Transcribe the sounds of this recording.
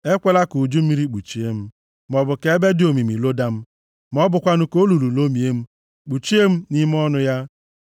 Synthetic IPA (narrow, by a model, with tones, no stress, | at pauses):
e˦kʷe˦la˦ku˨d͡ʒu˦m̩˦i˦ɾi˦k͡pu˨t͡ʃi˦e˦m̩˦ | m˨ɔ˨bʊ˨ke˦e˦be˦dɪ˨o˨mi˨mi˨lo˦da˦m̩˦ | m˦ɔ˦bʊ˨kʷa˦nʊ˦ko˦lu˨lu˨lo˦mi˨e˦m̩˦ | k͡pu˨t͡ʃi˦e˦m̩˦ni˦m˦ɔ˦nʊ˦ja˦